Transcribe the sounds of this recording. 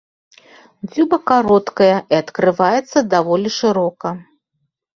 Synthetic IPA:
d͡zʲubɐkaɾɔt̪kɐjɐʔiɐt̪kɾɨvajɛt̪sːɐd̪avɔlʲiʂɨɾɔkɐ

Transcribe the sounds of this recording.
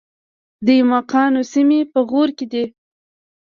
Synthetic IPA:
d̪əjmɑqɑnosimepəɣoɾked̪i

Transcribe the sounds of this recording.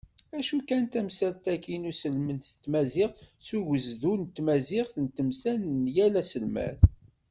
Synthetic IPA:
æʃukænt̪æmsælt̪ækinusəlmənst̪mæzɪʁsuʝəzðunt̪mæzɪχθənt̪əmsænənjælæsəlmæ̰θ

